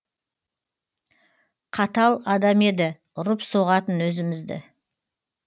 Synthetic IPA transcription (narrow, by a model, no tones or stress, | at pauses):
qʰɑt̪ɑlˠɑd̪ɑme̞d̪ɪ | ʊɾəpsoʁɑt̪ənwɵzɪmɪzd̪ɪ̰